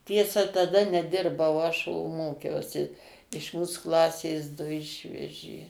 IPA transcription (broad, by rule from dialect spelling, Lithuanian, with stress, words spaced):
ˈtʲiɛsɐ tɐˈdɐ nʲɛˈdʲɪrbɐʊ ɐʃ oː ˈmoːkʲɛʊsʲɪ ɪʃ ˈmuːs ˈklˠɑːsʲeːs ˈdʊ ˈɪʃʲʋʲɛʒʲeː